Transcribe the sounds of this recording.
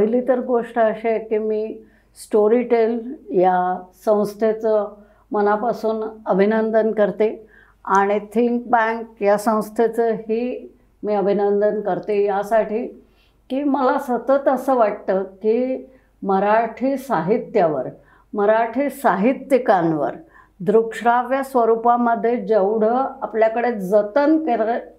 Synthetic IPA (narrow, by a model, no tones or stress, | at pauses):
əɦilit̪əɾɡoʂʈəəɕekiːmiː | sʈoɾiʈeljasə̃w̃st̪ʰjet͡sə | mənapasuːnəbʱinənd̪ənkəɾt̪e | aɽ̃it̪ʰiŋk̚bãŋkjasə̃w̃st̪ʰjet͡səɦhiː | miːəbʱinənd̪ənkəɾt̪ejasaʈʰiː | kiːməlasət̪ət̪əsəːʋaʈ̚t̪əːkiː | məɾaʈʰiːsaɦit̪jaʋə̰ɾ | məɾaʈʰiːsaɦit̪ːikanʋə̰ɾ | d̪ɾukʂɾaʋjəsʋəɾupaməd̪ʱːjed͡zəwɽ̤əapljakəɽed͡zət̪ənkeɾe